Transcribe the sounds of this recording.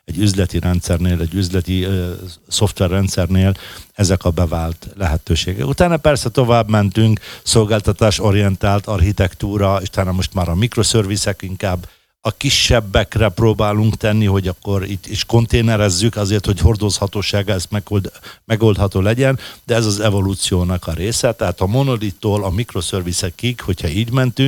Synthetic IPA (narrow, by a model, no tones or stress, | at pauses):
ɛɟːyzlɛt̪iɾɛnt̪sɛrneːlɛɟːyzlɛt̪i | so̞ft̪ʋɛrːɛnt̪sɛrneːlɛzɛkɒbɛvaːlt̪lɛɦɛt̪øːʃeːɡɛ̰kut̪aːnɒpɛrsɛt̪o̞vaːbmɛnt̪yŋkso̞lɡaːlt̪ɒt̪aːʃo̞ɾijɛnt̪aːlt̪ɒrhit̪ɛkt̪uːɾɒeʃu̥t̪aːnɒmo̞ʃt̪maːɾɒmikɾo̞sørvisɛkiŋkaːbː | ɒkiʃːɛbːɛkrɛproːbaːluŋkt̪ɛnːiɦo̞ɟɒkːo̞ɾiːt̪ːiʃko̞n̪t̪eːnɛɾɛzːykɒzeːrt̪ho̞cho̞rd̪o̞shɒt̪oːʃaːɡɒɛst̪mɛod̪mɛɡo̞ld̪hɒt̪oːlɛɟɛnd̪ɛɛzɒzɛvo̞luːt̪sijoːnɒkɒɾeːsɛt̪ɛɦaːt̪ɒmo̞nolit̪ːoːlɒmikro̞sørvisɛkiɡho̞cʰhɒiːɟmɛnt̪yŋk